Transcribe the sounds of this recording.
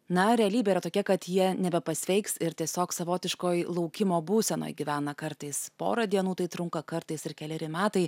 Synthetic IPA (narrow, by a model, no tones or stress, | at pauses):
nɐɾʲɛɐlʲiːbʲeːiɾɐt̪oːkʲɛkɐt̪jiɛnʲɛbʲɛpɐsʲʋʲɛɪksɪɾt̪ʲiɛsʲoːksɐʋoːt̪ʲɪʃkoːjlˠɒʊkʲɪmoːbuːsʲɛno̰jɡʲiʋʲæːnɐkɐɾt̪ɐɪspo̰ːɾɐd̪ʲiɛnuːt̪ɐɪt̪ɾʊŋkɐkɐɾt̪ɐɪsɪɾkʲɛlʲɛɾʲɪmʲæːt̪ɐɪ